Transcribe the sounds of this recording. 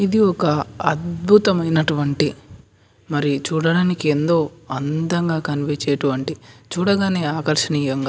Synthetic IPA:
id̪iɔkɐɐd̪̚bʱut̪ɐmɐjnɐʈuʋɐɳʈi | mɐɾit͡ʃuːɽɐɽaːnikiend̪o̞ːɐnd̪ɐŋɡaːkɐnʋeːt͡ʃɛːɐʈuʋɐɳʈit͡ʃuːɽɐɡaːne̞ːaːkɐɾʂɐniːjɐŋɡaː

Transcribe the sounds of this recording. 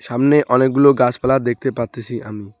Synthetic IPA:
ʃamneʔɔnek̚ɡuloɡaspalad̪ek̚t̪epaɾt̪et͡ɕʰiʔami

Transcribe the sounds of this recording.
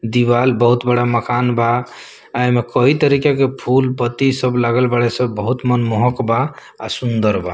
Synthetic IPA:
d̪ibalbəɦut̪bəɽaməkanba | ajmekəɦit̪əɾikakepʰulpət̪isəblaɡəlbaɽesə̃bəɦut̪mənmɔɦɔkbaː | sund̪əɾba

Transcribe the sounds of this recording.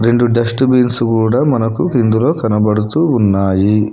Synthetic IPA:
ɾe̞ɳɖuɖɐsʈubiːnsukuːɽaːmɐnɐkukind̪ulo̞ːkɐnɐbɐɽut̪uːunːaːji

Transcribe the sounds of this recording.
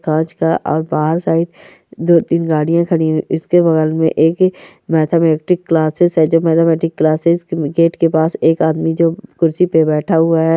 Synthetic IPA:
kãːt͡ʃkaʔɔːɾbaːɦəɾsaːɪd̪ | d̪oːt̪iːnɡaːɽijãkʰəɽ̃ĩiʔɪskebɐɣɛlmḛ̃ʔeːk | mɛːt̪ʰamɛːkʈɪkːlaːsɪzɦɛd͡ʒoːmɛːt̪ʰəmɛːʈɪkːlaːsɪzɡeːʈkepaːseːkaːd̪mid͡ʒoːkʊɾsipebɛːʈʰaɦʊaɦɛː

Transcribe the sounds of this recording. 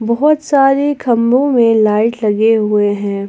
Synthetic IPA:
bɐɦɔt̪saːɾekʰɐmɾõmẽlaːɪʈlɐɡeɦʊeɦɛ̃ː

